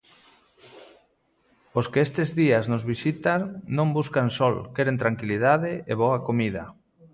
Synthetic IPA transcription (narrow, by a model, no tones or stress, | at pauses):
oskeest̪ezðiaznozβisit̪aŋnõmbuskansɔlkeɾent̪ɾaŋkiliðaðɪeβɔakomiða